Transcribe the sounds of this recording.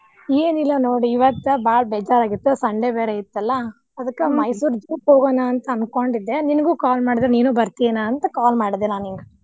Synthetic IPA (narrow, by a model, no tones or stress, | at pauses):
eːnilːɐnoːɽiiʋɐt̪ːbaːɭbɛd͡ʒaːɾaːɡit̪ːusɐɳɖebeːɾeit̪ːɐlːɐ | ɐd̪ɐkːemɐjsuːɾd͡ʒuːpɦoːɡoːnaːnt̪ɐɐnkoɳɖid̪ːeninɐɡuːkaːlmaːɽid̪ɾeniːnuːbɐɾt̪inaːɐnt̪ɐkaːlmaːɽid̪ːenaːniŋɡɐ